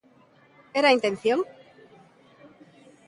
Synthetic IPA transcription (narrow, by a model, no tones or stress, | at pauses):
eɾaint̪ẽnθjoŋ